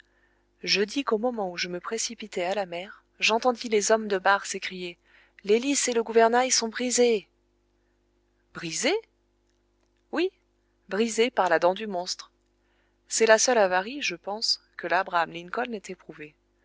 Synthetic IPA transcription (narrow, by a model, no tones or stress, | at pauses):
ʒəd̪ikomɔmɑ̃uʒəməpχesipit̪ɛalamɛʁ | ʒɑ̃t̪ɑ̃d̪ilezɔmd̪əbaʁsekχije | leliseləɡuvɛʁnajsɔ̃bʁize | b̥ʁize | wi | bʁizepaʁlad̪ɑ̃d̪ymɔ̃st̪χ | sɛlasœlavaʁiʒəpɑ̃skəlabʁaamlinkɔlnɛt̪ɛpχuve